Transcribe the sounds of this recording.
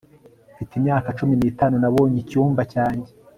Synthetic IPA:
fitimɲaːkat͡ʃuminiːtaːnunaβo̞ːɲicuːmbacaːɲɟe

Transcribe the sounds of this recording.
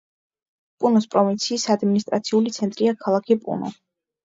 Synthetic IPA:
pʼunɔspʼɾɔvint̪sʰiːsad̪minist̪ʼɾat̪sʰiulit̪sʰɛnt̪ʼɾiakʰalˠakʰipʼṵnɔ̰

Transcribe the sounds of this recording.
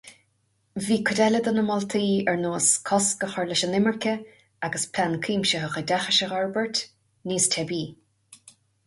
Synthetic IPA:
viːkʰʊd̪ɛləd̪ɔnəmɔlt̪ʰiːɛɹnoːskʰɔskəxəɹlɪʃənɪməɹkʲə | aɡəspʰlankʰiːmʃəɦəxədaxəʃəxɔɹbəɹt | niːstʰɛbiː

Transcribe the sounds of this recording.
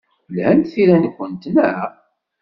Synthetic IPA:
lhænθiɾænkʷːənt̪nə

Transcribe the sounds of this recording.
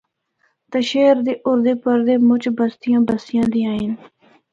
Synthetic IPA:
t̪əʃeːɾd̪eːʔʊɾd̪eːpəɾd̪eːmʊt͡ʃbəst̪ɪjãːbəst̪ɪjãːd̪iːãːin

